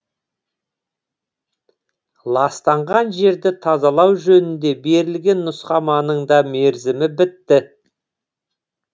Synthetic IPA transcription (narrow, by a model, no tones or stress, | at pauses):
lˠɑst̪ɑɴʁɑnʒe̞ɾd̪ɪt̪ʰɑzɑlˠɑwʒɵnɪnd̪e̞be̞ɾɪlɡʲe̞nːʊsqɑmɑnəɴd̪ɑme̞ɾzɪmɪbɪt̪ːɪ